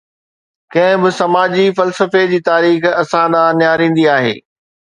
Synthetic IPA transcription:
kɐ̃ɦɪ̃bɪsɐmaːd͡ʑifɐlsəfed͡ʑiːt̪aːɾiːxɐsãɗ̪ãːnɪjaːɾĩːn̆d̪iaːɦḛː

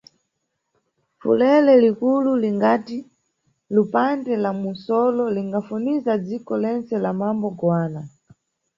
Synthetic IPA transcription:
fṵlɛlɛlikululiŋɡati | lupandɛlamunsɔlɔliŋɡafunizad͡zikɔlɛnt͡sɛlamambɔɡwaːna

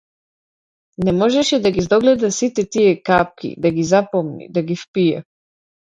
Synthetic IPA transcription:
nɛmɔʒɛʃɛd̪aɡizd̪ɔɡlɛd̪asit̪ɛt̪ijɛkap̚kʲḭd̪aɡizapɔmnḭd̪aɡifpijɛ

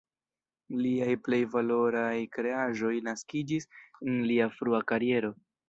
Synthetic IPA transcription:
liajple̞jvalo̞ɾajkɾe̞aʒo̞jnaskid͡ʒisenliafɾuakaɾie̞ɾo̞

